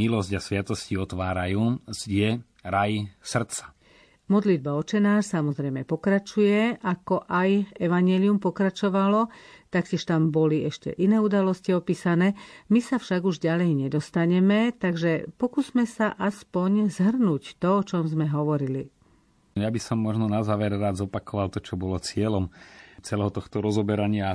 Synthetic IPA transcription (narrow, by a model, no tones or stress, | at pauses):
ilɔsɟasʋɪat̪ɔsciɔt̪ʋaːɾa̰juːz̥ɟɛ | ɾajsr̩t̪t͡sḁ | mɔd̪lid̪̚baɔt͡ʃɛnaːʃsamɔzɾɛjmɛpɔkɾat͡ʃujɛʔakɔʔajɛʋaɲɪɛliumpɔkɾat͡ʃɔʋalɔt̪akcɛʃt̪ambɔliɛʃcɛ̰ʔinɛːud̪alɔsciɔpiːsanɛːmisafʃaɡuʒɟalɛjɲɛd̪ɔst̪aɲɛmɛt̪aɡʒɛpɔkuzmɛsaʔaspɔɲzɦr̩nuct̪ɔɔt͡ʃɔmzmɛɦɔʋɔɾili | jabisɔmːɔʒnɔnazaːʋɛɾɾaːd͡zzɔpakɔʋalt̪ɔt͡ʃɔbɔlɔt͡sɪɛlɔmt͡sɛlɛɦɔt̪ɔxt̪ɔɾɔzɔbɛɾaɲɪa